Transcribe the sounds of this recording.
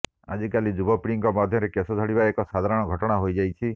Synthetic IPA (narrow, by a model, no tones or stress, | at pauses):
a̰d͡ʒikalid͡ʒubɔpiɽiŋkɔmad̪ʱjɔɾekesɔd̪ʱɔɽibaekɔsad̪ʱaɾɔɽ̃ɔɡʱɔʈɔɽ̃aɦojd͡ʒajt͡ʃʰi